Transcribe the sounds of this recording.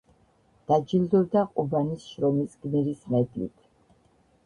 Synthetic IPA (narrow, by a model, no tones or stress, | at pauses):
d̪̥ad͡ʒild̪ɔbd̪aqʼubanisʃɾɔmisɡniɛɾismɛd̪ʼlḭt̪ʰ